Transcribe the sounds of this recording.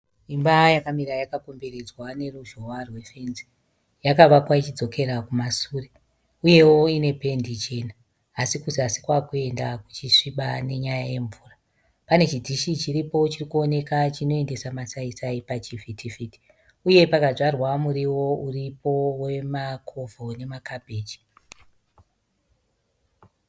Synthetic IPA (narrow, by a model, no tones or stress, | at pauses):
imbajakamiɾajakako̞mbe̞ɾed͡zwane̞ruʒowarwe̞fe̞nzi̥ | jakaʋakwait͡ʃid͡zo̞kʰe̞ɾakumasuːre | uje̞wo̞ine̞pe̞ndit͡ʃe̞ːnaː | sikuziasi̥kwakue̞ndaku̥t͡ʃiʂiɓane̞ɲajaje̞ɱvuːra | pane̞t͡ʃidʱiʃit͡ʃiripo̞t͡ʃirikuone̞kat͡ʃino̞e̞nde̞samasaisaipat͡ʃivitʰifiti̥ | uje̞pakaʐarwamuɾiwo̞uripo̞we̞makʰo̞vʱo̞ne̞makabʱe̞ːd͡ʒi̥